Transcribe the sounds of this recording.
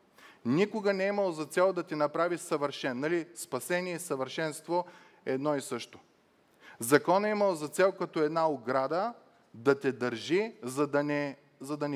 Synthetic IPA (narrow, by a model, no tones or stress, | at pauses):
nikʊɡənɛiməlˠzɐt̪sɛlˠd̪ɐt̪ɛnɐpɾavisɐvəɾʃɛnːɐlispɐsɛniɛsɐvəɾʃɛnst̪vo | ɛd̪nɔisɤʃt̪o̥ | zɐkɔnɐiməlˠzɐt̪sɛlˠkɐt̪ɔɛd̪naoɡɾad̪ə | d̪ɐt̪ɛd̪əɾʒizɐd̪ɐnɛ | zɐd̪ɐnɛ